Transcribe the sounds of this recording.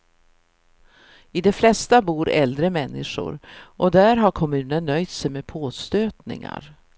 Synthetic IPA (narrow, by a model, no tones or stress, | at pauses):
ɪd̪ɛflɛst̪abuːɾɛ̰ld̪ɾəmɛnːɪʂʊ̰ɾʔɔd̪æɾɦaɾkʰɔmʉ̟ːnənːœjt̪sɛjmepʰoːst̪øːt̪nɪ̰ŋa̰ɾ